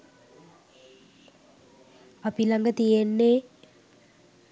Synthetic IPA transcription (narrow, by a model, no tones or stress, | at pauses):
apilaŋɡət̪ijenːe